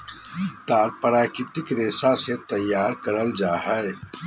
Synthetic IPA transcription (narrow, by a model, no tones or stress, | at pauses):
t̪aːɾpəɾaːkɪt̪ɪkɾeːsaset̪ɐjːaːɾkɐɾəld͡ʒaːɦɛ